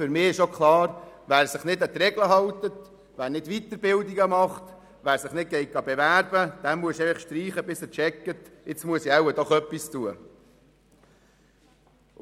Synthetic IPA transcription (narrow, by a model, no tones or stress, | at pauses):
fʏɾmɪːɪʃokχlɑːɾʋæːɾsɪχnɪdət̪ɾɛɡləɦɑwtət | ʋæːɾnɪd̥ʋit̪əɾbɪld̪iɡəmɑχt̪ | ʋæːɾsɪχnɪd̚ɡ̥ɛɪt̚ɡ̥ɑbɛʋæːɾb̥əd̥ɛmmuəsɛləχʃtɾiːχəbɪsət͡ʃɛkːətɪt͡smuəsiæwəd̥ɔχœpːistuə